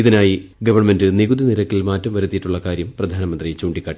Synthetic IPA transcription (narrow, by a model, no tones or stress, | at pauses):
iðinaːjiɡɐʋɐrme̞ndɨniɣud̪iniɾɐkːilmaːtːɐmʋɐɾut̪ːijiʈːuɭːɐkaːɾjɐmprɐd̪ʱaːnɐmɐnd̪rit͡ɕuːɳɖikːaːʈːi